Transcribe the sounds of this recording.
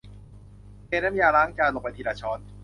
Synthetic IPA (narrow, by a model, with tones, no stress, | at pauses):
keː˧˩na˦˥mjaː˧laː˦˥ŋt͡ɕaː˧lo˨˩pa˧˩t̪ʰiː˧laː˧˩t͡ɕʰɔː˦˥n